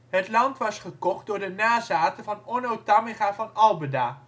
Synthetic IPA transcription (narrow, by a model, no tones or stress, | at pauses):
ɦətlɑntʋɑsχəkɔχ̚dʊːɹdənaːzaːtəvɑnɔnowtameχaːvɑnɑlˠbədaː